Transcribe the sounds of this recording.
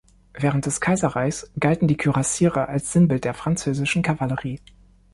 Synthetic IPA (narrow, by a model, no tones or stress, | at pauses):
vɛːʁənt̚d̥ɛskʰaɪzɐʁaɪçsɡ̥altn̩diːkʰyʁasiːʁəʔalsz̥ɪnbɪlt̚d̥eːɐfʁ̥ant͡søːzɪʃn̩kʰavaləʁiː